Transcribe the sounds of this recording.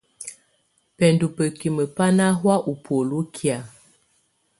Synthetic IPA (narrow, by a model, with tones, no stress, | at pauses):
pɛ˨ndu˨pə˨ki˨mə˨pa˦na˦ɦwa˦ʔu˨pʰo˨lu˦kʰja˨